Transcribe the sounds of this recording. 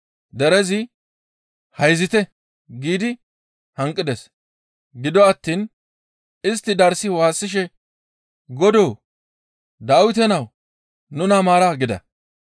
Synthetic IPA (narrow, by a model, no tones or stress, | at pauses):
d̪ɛɾɛzɪ | hɐjzɪt̪ɛ | ɡiːd̪ɪ | hɐŋkʼːɪd̪ɛs | ɡɪd̪ɔɐt̪ːiːn | ɪst̪ːɪd̪ɐɾsɪwaːsːɪʃ̬ɛ | ɡɔd̪oː | d̪aːwɪt̪̬ɛnɐw | nʊnamaːɾaɡɪd̪ɐ̰